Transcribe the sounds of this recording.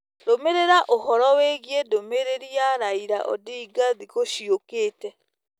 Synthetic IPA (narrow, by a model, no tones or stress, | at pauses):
ɾomeɾeɾaʔoɦɔɾɔweɣiedomeɾeɾiaɾaiɾa̰ʔɔ̰diːɡaðiɣoʃiokeːtɛ